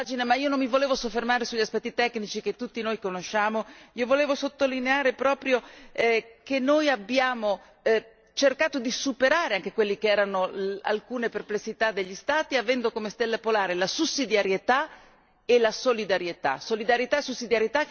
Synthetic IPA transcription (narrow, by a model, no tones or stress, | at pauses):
d͡ʒinemaiːonommivoleːvosofːermaːɾesuʎːaspɛt̪ːit̪ɛkːnit͡ʃik̟et̪ːut̪ːinojkonoʃːaːmoiovoleːvosot̪ːolineaːɾepɾɔːpɾjo | kenːojabːjaːmo | t͡ʃerkaːt̪od̪isupeɾaːɾeaŋkekwelːikeɛːɾanoa̰lkuːneperplesːit̪ad̪ːeʎːist̪aːt̪iavɛnd̪okomest̪elːapolaːɾelasusːid̪jaɾjet̪a | elasolid̪aɾjet̪a̰solid̪aɾjet̪aesusːid̪jaɾjet̪a